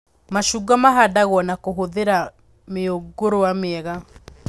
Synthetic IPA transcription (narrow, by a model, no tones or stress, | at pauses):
maʃuːɡamaɦadaɣwɔnakoɦoðeɾa | meoɡoɾowameɛɣa